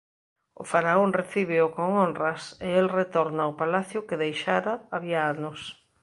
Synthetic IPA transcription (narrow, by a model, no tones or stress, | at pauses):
ʊ̰faɾaoŋreθiβ̞ɪʊkoŋonrɐsɪelret̪oɾnaʊpalaθjʊkɪðejʃaɾaːβiaanʊs